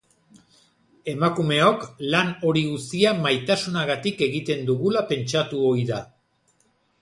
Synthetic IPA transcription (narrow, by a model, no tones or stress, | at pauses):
e̞makume̞o̞klano̞ɾiɣusiamajt̪asunaɣat̪ike̞ɣit̪e̞nd̪uɣulape̞nt͡ʃat̪uo̞iða